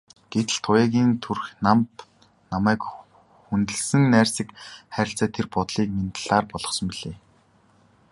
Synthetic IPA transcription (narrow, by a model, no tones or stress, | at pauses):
ɡ̥et̪ɘ̆ɮt̪ʰʊjaːɣʲiːnt̪ʰurxnamt̪ | namæːk | xunt̪ɘ̆ɮsɘ̆ŋnæːrsĭkχæːɾʲɪ̆ɬt͡sæːt̪ʰerpɔt̪ɮiːk̚ment̪ɮ̥aːrpɔɮɞ̆χsɞ̆mpiɮeː